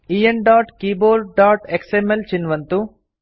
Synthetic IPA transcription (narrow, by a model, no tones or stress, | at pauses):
ijenɖaːʈkiːboːɾɖ̚ɖaːʈeksemelt͡ɕinʋɐnt̪u